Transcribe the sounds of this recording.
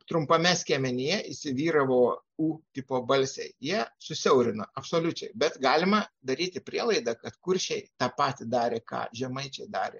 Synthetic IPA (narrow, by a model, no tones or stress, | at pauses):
t̪ɾʊmpɐmʲɛsʲkʲeːmʲɛnʲɪjɛʔɪsʲɪʋʲiːɾɐʋoː | uːt̪ʲɪpoːbɐlʲsʲɛɪjiɛsʊsʲɛʊɾʲɪnoɐpsoːlʲʊt͡ʃʲɛɪbʲɛt̪ɡɑːlʲɪmɐd̪ɐɾʲiːt̪ʲɪpʲɾʲiɛlˠɐɪd̪ɑkɐt̪kʊɾʲʃʲɛɪt̪ɑːpɑːt̪ʲɪd̪ɑːɾʲeːkɑ̰ːʒʲɛmɐɪt͡ʃʲɛɪd̪ɑ̰ːɾʲḛ